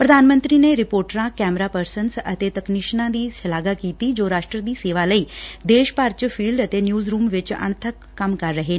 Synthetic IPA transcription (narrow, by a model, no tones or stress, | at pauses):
pɾəd̪ʱaːnmə̃nt̪ɾiːneːɾɪpoːɾʈɾãːkɛːmɾaːpəɾsənsə̰t̪eːt̪əkniʃnãːd̪iːsəlaːɡakiːt̪id͡ʒoːɾaːʃʈɾəd̪iːseːʋaːləiːd̪eːʃpaːɾt͡ʃpʰiːlɖət̪eːnjuːzɾuːmʋɪt͡ʃə̰ɳ̃t̪ʰəkːəmkɐɾːəɦeː